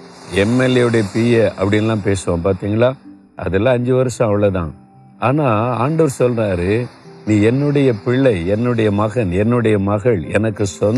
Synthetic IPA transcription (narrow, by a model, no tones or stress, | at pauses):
ɛmːɛlɛɯɽɐjɐpiːjɐɐpːɐɽɪnɐlːãːpeːsɯʋõːpaːɾt̪iːŋɡɐɭaː | ʔɐ̰ðɛlːãːɐɲd͡ʒɯʋɐɾɐsɐ̃ɐʋɐɭɐðã̰ː | aːnaːaːɳɖɐʋɐɾsɔlraːɾɯniːɛnːɯɽɐjɐpɪɭːɐɪɛnːɯɽɐjɐmɐɣɐnɛnːɯɽɐjɐmɐɣɐɭɛ̰nɐkːɯsɔn